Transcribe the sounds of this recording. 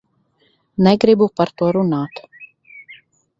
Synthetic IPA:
nɛɡɾibupaɾt̪uɔɾunaːt̪

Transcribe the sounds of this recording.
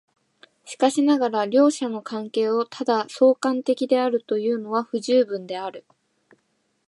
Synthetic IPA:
ɕi̥kaɕinaɡaɾaɾʲo̞ːɕano̞kãŋke̞ːo̞t̪ʰad̪aso̞ːkãnt̪e̞kʲid̪e̞aɾɯ̟t̪o̞jɯ̟ːno̞βaɸɯ̟ʑɨːbɯ̟̃nd̪e̞aɾɯ̟

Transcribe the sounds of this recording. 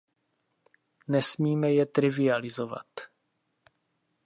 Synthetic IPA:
nɛsmiːmɛjɛt̪ɾɪvɪalɪzova̰t̪

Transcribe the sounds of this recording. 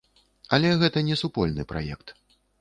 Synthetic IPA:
ɐlʲɛɣɛt̪ɐnʲɛsupɔlʲnɨ̰pɾa̰jɛkt̪

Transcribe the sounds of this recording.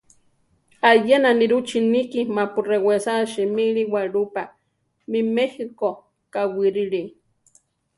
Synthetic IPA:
ajenaniɾut͡ʃinikimapurewesaʃimiɺiwaɾupa | mimehiko | kawiɾiɾi

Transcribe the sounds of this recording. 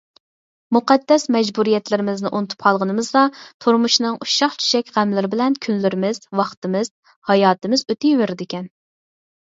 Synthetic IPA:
muqɛd̪ːɛsmɛd͡ʒbuɾijɛt̪lɪɾɪmɪznɪʔunɨt̪ʰu̥p̚qʰɑlˠʁənɨmɨzd̪ɑt̪ʰuɾmuʃnɨŋʔuʃɑχt͡ʃʰy̥ʃɛkʲʁæmlɪɾɪbɪlɛnkʲʰynlɪɾɪmɪz̥wɑχt̪ɨmɪz̥ | hɑjɑːt̪ɨmɪzøt̪ʰɪjweɾɪd̪ɪkʲʰɛn

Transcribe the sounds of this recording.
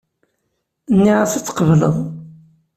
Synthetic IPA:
nːiʁasət͡sːqəvlə̰ðˤ

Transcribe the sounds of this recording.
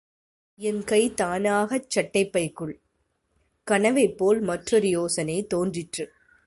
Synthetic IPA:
ɛnkɐɪt̪aːnaːɣɐt͡ʃːɐʈːɐɪpːɐɪkːɯɭ | kɐɳɐʋɐɪpːoːlmɐʈrɔɾɪjoːsɐnɐɪt̪oːndrɪʈrɯ

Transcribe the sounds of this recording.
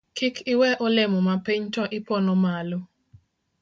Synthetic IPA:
kʰɪkʰɪwɛʔɔlɪmɔmapiɲtɔʔɪpɔnɔmalɔ

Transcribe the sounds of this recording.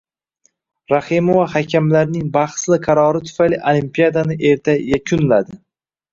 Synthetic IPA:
ɾahɪmovahakʲʰamlaɾnɪŋbɑχslɪqʰɑɾɒɾɪt̪ʰʊ̥fajlɪʔolimpijad̪anɪʔe̞ɾt̪ʰajakʰʲʊnlad̪ɪ

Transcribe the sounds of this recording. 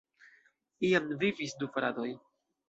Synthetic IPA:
ijamvivisdufɾado̞j

